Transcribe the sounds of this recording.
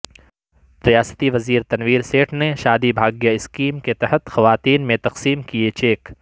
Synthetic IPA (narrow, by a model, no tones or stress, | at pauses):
ɾijaːsə̥t̪iʋɐziːɾt̪ɐnʋiːɾseːʈʰneʃaːd̪ibʱaːɡjəɪskiːmket̪ɐɦət̪xɐʋaːt̪iːnmẽt̪ɐqsiːmkiet͡ʃeːk